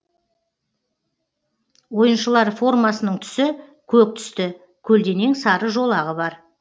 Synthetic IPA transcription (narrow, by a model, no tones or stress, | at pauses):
wo̞jənʃəlˠɑɾfo̞rmɑsənəɴt̪ʰʏ̥sɪkʲʰɵk̚t̪ʰʏ̥st̪ɪ | kʲʰɵld̪e̞neŋsɑɾəʒo̞lˠɑʁəbɑɾ